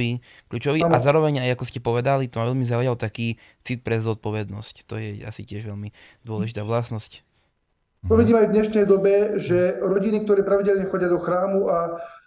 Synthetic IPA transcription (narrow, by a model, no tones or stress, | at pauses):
iːkʎuːt͡ʃɔʋiːazaːɾɔʋɛɲajakɔscɛpɔʋɛd̪alit̪ɔmaʋɛʎlmizaujalt̪akiː | t͡sit̪̚pɾɛzɔt̪̚pɔʋɛd̪nɔsct̪ɔjɛa̰sicɪɛʒʋɛʎmi | d̪ʊɔlɛʒit̪aːʋlasnɔsc | t̪ɔʋiɟiːmɛajvd̪ɲɛʃnɛjd̪ɔbɛʒɛɾɔɟinik̚t̪ɔɾɛːpɾaʋiɟɛlɲɛxɔɟɪad̪ɔxɾaːmua